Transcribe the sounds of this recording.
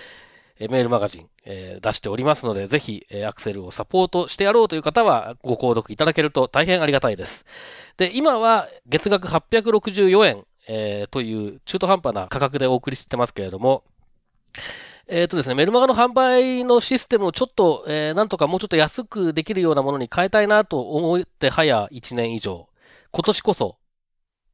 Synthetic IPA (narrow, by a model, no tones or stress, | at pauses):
me̞ːɾɯ̟maɡaʑḭ̃ŋ | ḛːd̪aɕi̥t̪e̞o̞ɾʲimasɨno̞d̪e̞ze̞çieakɯ̥se̞ɾɯ̟o̞sapo̞ːt̪o̞ɕi̥t̪e̞jaɾo̞ːt̪o̞jiɯ̟kat̪aβ̞a̰ɡo̞ko̞ːd̪o̞kɯ̟it̪ad̪ake̞ɾɯ̟t̪o̞t̪aiɦẽ̞ɰ̃aɾʲiɡat̪aid̪e̞sɨ̥d̪̥e̞imaβaɡe̞t͡sɨɡak̬ɯ̟ɦapʲːjak̬ɯ̟ɾo̞kɯ̟ʑɨːjo̞ẽ̞n | et̪o̞jɯ̟ːt͡ɕɨːt̪o̞ɦãmpana̰kakak̬ɯ̟d̪e̞o̞ːkɯ̟ɾʲiɕi̥t̪e̞masɨ̥ke̞ɾe̞d̪o̞mo̞ | eːt̪ːo̞d̪esɨnme̞ɾɯ̟maɡanoɦãmbaino̞ɕisɨ̥t̪e̞mɯ̟o̞t͡ɕo̞t̪ːo̞eːnãnt̪o̞kamoːt͡ɕo̞t̪ːo̞jasɨkɯ̟d̪e̞kʲiɾɯ̟jo̞ːnamo̞no̞ɲikʰae̞t̪ainat̪o̞ʔːmo̞t̪e̞hajait͡ɕinẽ̞ɰ̃iʑo̞̰ː | ko̞t̪o̞ɕi̥ko̞so̞